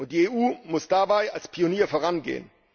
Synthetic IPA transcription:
ʊntd̥iːeːuːmʊsd̥abaɪalspʰioniːɐfoːʁ̞anɡḛːə̰n

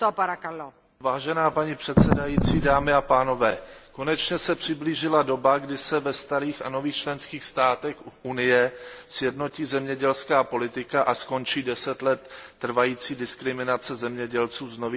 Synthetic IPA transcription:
t̪opaɾakalo | vaːʒɛnaːpaɲipr̝̥ɛt̪sɛdajiːt͡siːdaːmɪapaːno̞vɛːko̞nɛt͡ʃɲɛsɛpr̝̥ɪbliːʒɪlado̞baɡdɪsɛvɛst̪aɾiːxa̰no̞viːxt͡ʃlɛnskiːxst̪aːt̪ɛxunɪjɛsjɛdno̞ciːzɛmɲɛɟɛlskaːpo̞lɪt̪ɪkaʔasko̞nt͡ʃiːdɛsɛt̪lɛt̪ːr̩vajiːt͡siːdɪskɾɪmɪnat͡sɛzɛmɲɛɟɛlt͡suːzno̞viː

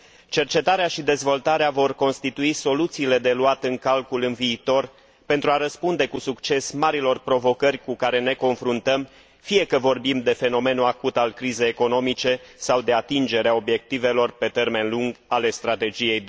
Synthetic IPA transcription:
t͡ʃe̞rt͡ʃe̞t̪aɾeaʃid̪e̞zvo̞lt̪aɾeavo̞rko̞nst̪it̪uiso̞lut̪siːle̞d̪e̞luat̪ɨŋkalkulɨnviːt̪o̞r | pe̞nt̪ɾuaɾəspund̪e̞kusukt͡ʃe̞smaɾilo̞rpɾo̞vo̞kərʲkukaɾe̞ne̞ko̞nfɾunt̪əm | fije̞kəvo̞rbimd̪e̞fe̞no̞me̞nuakut̪alkɾize̞jeko̞no̞mit͡ʃe̞sawd̪e̞at̪ind͡ʒe̞ɾeao̞bje̞k̚t̪ive̞lo̞rpe̞t̪e̞rme̞nluŋɡale̞st̪ɾat̪e̞d͡ʒije̞jd̪

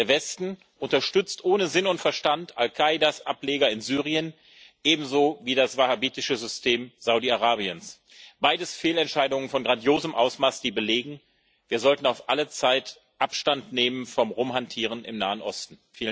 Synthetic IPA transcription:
deːɐvɛstn̩ | ʔʊntɐʃtʏt͡stʔoːnəzɪnʊntfɛɐʃtantʔalkʰaɪdasʔapleːɡɐɪnzyːʁiən | ʔeːbm̩zoːviːdasv̥ahabiːtɪʃəzʏstʰeːmz̥aʊdiaʁaːbiəns | b̥aɪdəsfeːlɛntʃaɪdʊŋənfɔnɡʁandjoːzəmʔaʊsmaːsd̥iːbəleːɡŋ̩ | viːɐzɔltn̩aʊfʔalət͡saɪt | ʔapʃtantneːmənfɔmʁʊmhantʰiːʁ̞ənɪ̰mnaːənʔɔstn̩fiːlə

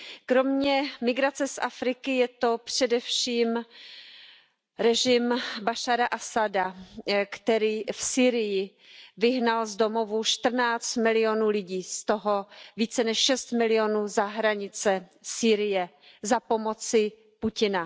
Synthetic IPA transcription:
kɾo̞mɲɛmɪɡɾat͡sɛsʔafɾɪkɪjɛt̪o̞pr̥ɛdɛfʃiːm | ɾɛʒɪmbaʃaɾaʔasadakt̪ɛɾiːfsiːɾɪjɪ | vɪɦnalzdo̞mo̞vuʃt̪r̩naːt͡st̪mɪlɪo̞nuːlɪɟiːst̪oɦo̞viːt͡sɛnɛʃʃɛst̪mɪlɪonuːzaɦɾaɲɪt͡sɛsiːɾɪjɛ | zapo̞mo̞t͡sɪ | pucɪna

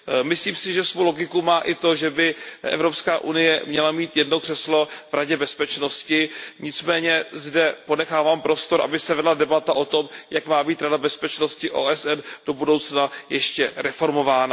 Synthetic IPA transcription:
mɪsliːmsɪʒɛsvowlo̞ɡɪkumaːʔɪt̪o̞ʒɛbɪʔɛ̰vɾo̞pskaːʔunɪjɛmɲɛlamiːt̪jɛdnokr̥ɛslo̞vɾaɟɛbɛspɛt͡ʃno̞scɪɲɪt͡smɛːɲɛzdɛpo̞nɛxaːvaːmpɾo̞st̪o̞ɾʔa̰bɪsɛvɛdladɛbat̪aʔo̞t̪o̞mjakmaːbiːt̪ɾadabɛspɛt͡ʃno̞scɪʔo̰ːʔɛsʔɛnd̥o̞budo̞wt͡snajɛʃcɛɾɛfo̞ɾmo̞vaːna

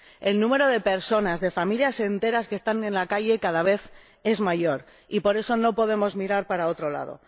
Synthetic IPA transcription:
e̞lnũme̞ɾo̞ðe̞pe̞ɾso̞nazðe̞familjase̞nt̪e̞ɾaske̞st̪ane̞nlakaʝe̞kaðaβ̞e̞θ | e̞zmaʝo̞ɾ | ipo̞ɾe̞so̞no̞po̞ð̞e̞mo̞zmiɾaɾpaɾao̞t̪ɾo̞la̰ðo̰

